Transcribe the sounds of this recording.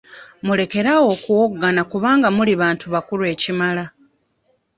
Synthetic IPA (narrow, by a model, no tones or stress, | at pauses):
mule̞ke̞ɾawo̞kuwoɡːanakuβaːŋɡamuliβaːntuβakulwe̞ːcimala